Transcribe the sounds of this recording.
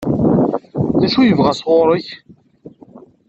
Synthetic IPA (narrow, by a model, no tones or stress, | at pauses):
ðæʃujəvʁæsʁʊɾˤəç